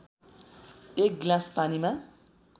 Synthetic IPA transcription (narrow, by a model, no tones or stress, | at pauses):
ek̚ɡlaspanima